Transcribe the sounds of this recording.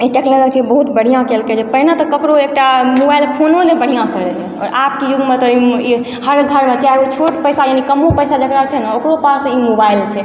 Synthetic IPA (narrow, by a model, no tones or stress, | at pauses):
iʈekləɾət͡ʃʰɛbəɦut̪bəɽ̤ijãkelked͡ʒepəɦinat̪ɔkəkɾoek̚ʈamobajlpʰononebəɽ̤ijãsəɾɛɦɛɔ̰ːɾap̚kijuɡmet̪ɔii | həɾɡʱəɾmet͡ʃaeot͡ʃʰoʈpəjsajanikəmopəjsad͡ʒəkɾaet͡ʃʰɛnaokɾopasimobailt͡ʃʰɛ